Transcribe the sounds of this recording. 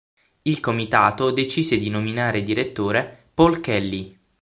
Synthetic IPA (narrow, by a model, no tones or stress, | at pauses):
ilkomit̪aːt̪od̪et͡ʃiːzed̪inominaːɾed̪iɾet̪ːoːɾepɔlkɛlːi